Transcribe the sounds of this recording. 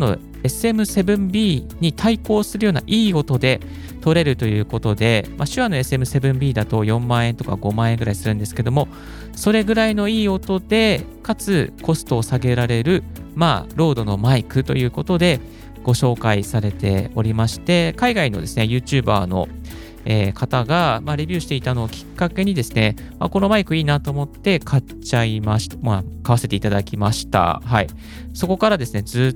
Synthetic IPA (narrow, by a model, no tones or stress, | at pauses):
no̞̰ | e̞sɨe̞mɯ̟se̞bɯ̟̃mbʲiːɲ̟it̪ʰaiko̞ːsɨɾɯjo̞ːna̰ʔiːo̞t̪o̞d̪e̞ | t̪o̞ɾe̞ɾɯ̟t̪o̞jɯ̟ːko̞t̪o̞d̪e̞maɕɨβano̞e̞sɨe̞mɯ̟se̞bɯ̟̃mbʲiːd̪at̪o̞jõ̞mːãːẽ̞nt̪o̞ka̰ɡo̞mãːẽ̞ŋɡɯ̟ɾaisɨɾɯ̟̃nd̪e̞sɨ̥ke̞d̪o̞mo̞ | so̞ɾe̞ɡɯ̟ɾaino̞iːo̞t̪o̞d̪̥e̞ | kat͡sɨko̞sɨ̥t̪oːsaɡe̞ɾaɾe̞ɾɯ̟ma̰ːɾo̞ːd̪o̞no̞maikɯ̟t̪o̞̰jɯ̟ːko̞t̪o̞d̪e̞ | ɡ̥o̞ɕo̞ːkaisaɾe̞t̪e̞̰o̞ɾʲimaɕi̥t̪e̞kaiɡaino̞̰d̪e̞sɨnejɯ̟ːt͡ɕɨːba̰ːno̞̰ | e̞ːkat̪aɡamaɾe̞bʲɨ̟ːɕi̥t̪eit̪ano̞ːkʲi̥kːake̞ɲ̟id̪e̞sɨne̞ | mako̞no̞maikɯ̟iːnat̪o̞ːmo̞t̪ːe̞kʰa | t͡ɕaimaɕi̥t̪makaβase̞t̪e̞it̪ad̪akʲimaɕi̥t̪a̰ɦai | so̞ko̞kaɾad̪e̞sɨne̞d͡zɨː